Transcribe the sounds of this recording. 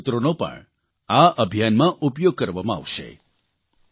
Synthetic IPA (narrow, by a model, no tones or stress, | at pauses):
t̪ɾonopə̰ɳ | aəbʱjanmãʔupjoɡ̚kəɾʋamãa̰ʋʃḛ